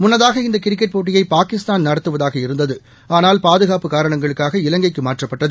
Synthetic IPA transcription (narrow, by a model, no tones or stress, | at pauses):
mʊnːɐðaːɣɐɪnd̪ɐkɪɾɪk̬ːɐʈ̚poːʈ̬ːɪjɐɪpaːkɪst̪aːnnɐɾɐt̪ːɯʋɐðaːɣɐɪɾɯnd̪ɐðɯ | aːnaːlpaːðɯɣaːpɯkaːɾɐɳɐŋɡɐɭɯkːaːɣɐɪlɐŋɡɐɪkːɯmaːʈrɐpːɐʈːɐðɯ